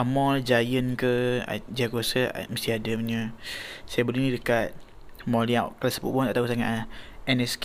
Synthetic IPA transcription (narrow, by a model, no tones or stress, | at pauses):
ʔamɔd͡ʒajənkə̰d͡ʒakasə̰məst̪iadəmɲəsajabəlunidəkat̪̚ | mɔliaʔklasə̥pṵʔbɔt̪aʔt̪ausaŋa̰ʔɛnɛsk